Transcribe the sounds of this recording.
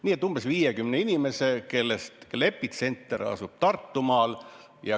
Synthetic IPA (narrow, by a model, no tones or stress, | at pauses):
niːet̪ːˑumb̥esviːjekymneinime̞se̞ke̞lːest̪le̞pːˑit̪se̞nt̪ˑːeɾɑ̰sub̥̚t̪ɑrt̪ːumɑːl | jɑ